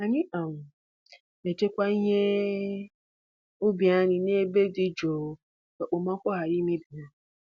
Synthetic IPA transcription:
a˨ɲɪ˦ʔa˨ŋʷʊ˨ | me˨te˦kʷa˦i˦ɲe˦ | ʊ˦bja˦ɲɪ˨ne˦be˦di˦d͡ʒo˨˦ | ka˨k͡po˨ma˦kʷɔ˦ɦa˨ɾi˦me˦bi˨ɲa˨

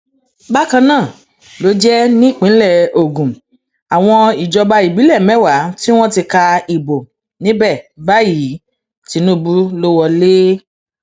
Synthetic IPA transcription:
ba˦kã˧nãː˦˨ | lo˨˦d͡ʒɛ˦nĩ˦i˦˨k͡pĩ˨˦lɛ˦˨o˨ɡũ˨ | a˨w̃ɔ̃˧i˨d͡ʒɔ˧ba˧i˨bi˨˦lɛ˦˨mɛ̃˦˨wa˨˦ti˦w̃ɔ̃˦ti˧ka˧i˨bo˨ | nĩ˨˦bɛ˦˨ba˦ji˨˦ | ti˧˦nũ˦bu˦lo˦wɔ˧le˦

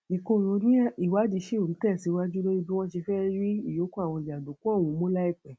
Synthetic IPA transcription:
ĩ˨ko˧˨ɾ̃õ˧˦nĩ˦i˨wa˨˦di˧˦ʃe˦˨o˨n̩˨˦tɛ˦˨si˨˦wa˦d͡ʒu˦lo˦i˧bi˦w̃ɔ̃˦ʃi˧fɛ˦ɾi˦i˦˨jo˨˦kõ˦a˦˨w̃ɔ̃˧˨i˨a˨do˨˦ku˦ɔ˦˨w̃ũ˨˦mõ˦la˦i˦˨k͡pɛ̃˨

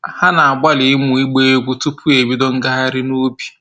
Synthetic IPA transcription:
ha˦na˨a˨ɡ͡ba˦lɪ˨ɪ˦mu˨i˦ɡ͡be˦e˦ɡʷu˦tu˦pu˦e˨bi˦dɔ˦ŋ̩˦ɡa˦ɦa˦ɾɪ˦no˦bja˨

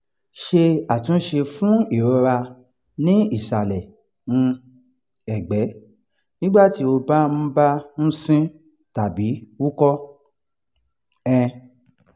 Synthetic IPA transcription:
ʃe˧a˨tĩ˨˦ʃe˧fũ˦i˦˨ɾɔ˧ɾa˧ | nĩ˦i˦˨sa˨lɛ˨ | ñ̩˧ | ɛ˨ɡ͡bɛ˨˦ | nĩ˦ɡ͡ba˦˨ti˨˦o˧ba˦m̩̃˦ba˦ñ̩˦sĩ˦ | ta˨bi˨˦wu˦kɔ˦ | ɛ̃˧

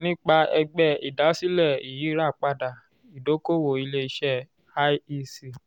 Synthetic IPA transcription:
nĩ˦k͡pa˧ɛ˧ɡ͡bɛ˦˨ḭ˨da˨˦si˦lɛ˦˨i˨ji˨˦ɾa˦˨k͡pa˦da˨ | i˨do˨˦ko˦wo˨i˧le˧i˦ʃɛ˦˨ | a˦i˦si˨

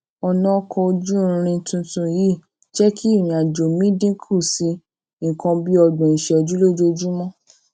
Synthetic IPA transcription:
ɔ˧nɔ̃˦kʰɔ̃˧o˧d͡ʒũ˦˧ɾ̃ĩ˧tũ˧tũ˧ji˦˨ | d͡ʒɛ˦kʰi˦i˦˨m̃˨a˨d͡ʒo˨mĩ˨˦dĩ˦kʰo˦˨sĩ˨˧˦ | kã˧bi˦ɔ˧ɡ͡bɔ̃˨i˨ʃɛ˧˨ɔ˧d͡ʒu˦lo˦d͡ʒo˦d͡ʒu˦mɔ̃˦

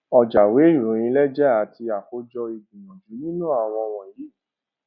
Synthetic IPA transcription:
ɔ˨d͡ʒa˨we˨˦i˦˨ɾũ˨˦ɾ̃ĩ˧lɛ˦d͡ʒɛ˦a˨ti˧a˨ko˨˦d͡ʒɔ˧i˧˨ɡũ˨mɔ̃˨d͡ʒu˨˦nĩ˦nũ˦a˨w̃ɔ̃˧w̃ɔ̃˨ji˨˦

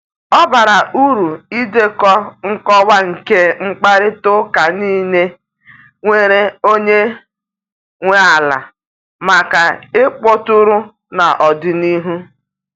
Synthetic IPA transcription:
ɔ˦ba˨ɾa˨ʔu˦ɾu˨i˦de˦kɔ˦ŋ̩˦kɔ˦wa˦ŋ̩˨ke˦ŋ͡m̩˦k͡pa˦ɾɪ˦tʊ˦ka˨niː˦˨ne˦ | ŋʷe˨ɾe˦o˦ɲe˦ | ŋʷe˦a˨la̰˨ | ma˨ka˨e˦k͡po˦tʊ˦ɾʊ˦ | na˨ʔɔ˨dɪ˨ni˦ɦu˦

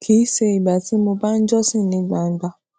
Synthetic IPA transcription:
kʰi˨˦se˧i˨ɡ͡ba˨ti˨˦mo˧ba˦n̩˦d͡ʒɔ˦sĩ˦˨nĩ˧˦ɡ͡ba˨n̩˦ɡ͡ba˦

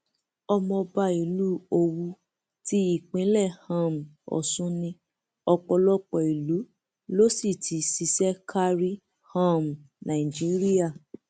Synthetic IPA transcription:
ɔ˧mɔ̃˧ba˧i˨lu˦o˧wu˧ | ti˦i˦˨k͡pĩ˨˦lɛ˦˨hã˦˨m̩˨ɔ̰˨sũ˦nĩ˧ | ɔ˧k͡pɔ˧lɔ˦k͡pɔ˨i˨lu˨˦ | lo˦si˦˨tʰi˨˦si˧sɛ˦kʰa˧ɾi˦ | hã˦m˨ | nã˨ĩ˨d͡ʒi˨˦ɾi˦a˦˨

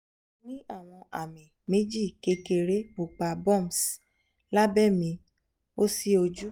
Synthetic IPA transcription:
nĩ˦a˦˨w̃ɔ̃˧ʔa̰˨mĩ˨me˦d͡ʒi˦˨ke˧ke˧ɾe˦bu˨k͡pa˧bɔ̃˦˨m˨s | la˦bɛ˦˨mĩ˧ | o˦si˦o˧d͡ʒu˦

